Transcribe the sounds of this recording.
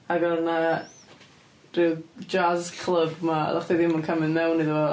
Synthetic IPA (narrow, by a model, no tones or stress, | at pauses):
aɡɔrna | rɨðd͡ʒazkʰl̥ˠəbma̰da̰χdiðɪmɔnkʰamɪnmɛwnːiðɔ